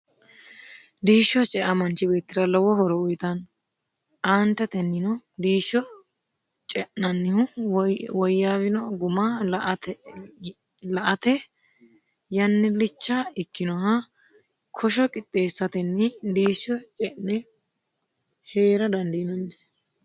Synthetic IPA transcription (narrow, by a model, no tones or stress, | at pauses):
d̪iːʃːɔt͡ʃʼɛʔɐmɐnt͡ʃɪbe̞ːt̪ːɪd̪ɐlɔwɔhɔɾɔʊjt̪ɐn | ʔaːnt̪ːɐt̪ɛnːɪnɔd̪iːʃːɔ | t͡ʃʼɛʔɐnːɪhʊwɔjːaːwɪnɔɡʊmaːlʔt̪ | lɐʔɐt̪ɛ | jɐnːɪlɪt͡ʃːaɪkːɪnɔɦɐ | kʰɔʃ̬ɔkʼɪt̪ʼːe̞ːsːɐt̪ɛnːɪd̪iːʃːɔt͡ʃʼɛnɛ | he̞ːɾɐd̪ɐnd̪ɐjɪnɔnːɪs